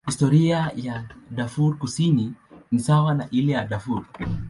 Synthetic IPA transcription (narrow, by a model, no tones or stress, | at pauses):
histɔɾiajaɗafuɾkusininisawanaʔilɛjaɗafuɾ